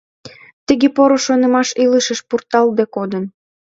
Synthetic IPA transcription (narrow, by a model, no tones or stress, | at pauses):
t̪əɣepoɾoʃonə̆mɑʃiləʃəʃpurt̪ɑld̪ekod̪ən